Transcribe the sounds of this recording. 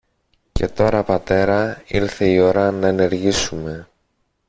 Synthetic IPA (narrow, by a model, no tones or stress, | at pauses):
ce̞̰t̪o̞ɾɐpɐt̪e̞ɾɐiɾθe̞io̞ɾɐnɐene̞ɾʝisume̞